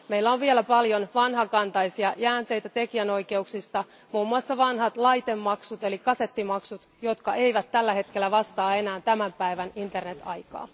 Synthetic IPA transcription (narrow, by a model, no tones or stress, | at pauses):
me̞ilːæoʋʋielæpɑljo̞nʋɑnɦɑkɑnt̪ɑjsiɑjæːnt̪e̞jt̪æt̪e̞kiæno̞jke̞uksist̪ɑ | muːmːuɑsːɑʋɑnɦɑt̪lɑjt̪e̞mːɑksut̪e̞likɑse̞t̪ːimɑksut̪ | jo̞t̪kɑʔe̞jʋæt̪ːælːæɦe̞t̪k̟e̞lːæʋɑst̪ɑːe̞næːnt̪æmæmpæjʋænint̪e̞rne̞t̪ʰɑ̰jkɑ̰ː